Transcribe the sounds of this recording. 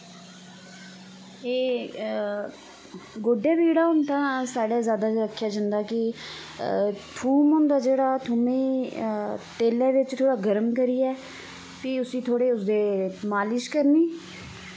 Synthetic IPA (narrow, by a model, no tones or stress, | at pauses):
eː | ɡoːɖjãːbiːɽaːʊnt̪ãːsaːɖaːzjaːd̪aːiəkʰːjaːd͡ʒãːnd̪aːkɪ | t̪ʰuːmɦʊ̃nd̪aːd͡ʒeːɽaːt̪ʰʊmẽː | t̪eːlɛ̃ːʋɪt͡ʃt̪ʰoːɽaːɡəɾəmkəɾiːɛː | piːʊsĩːt̪ʰoːɽeːʊsd̪eːmaːlɪʃkəɾniː